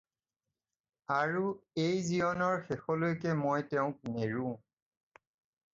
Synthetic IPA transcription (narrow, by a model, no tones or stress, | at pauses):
aɹuejzijɔnɔɹxexɔlojkɛmojtɛʊ̃k̚neɹũ